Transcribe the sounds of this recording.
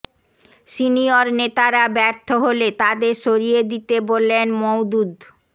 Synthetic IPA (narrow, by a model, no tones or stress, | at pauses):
sinioɾnet̪aɾabɛɾt̪ʰoɦolet̪ad̪eɾʃoɾijed̪it̪ebolːenmowd̪ud̪